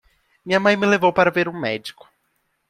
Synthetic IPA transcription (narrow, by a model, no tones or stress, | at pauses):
mĩɲɐmɐ̃j̃mɪlevowpaɾɐveɾũmɛd͡ʒikʊ̥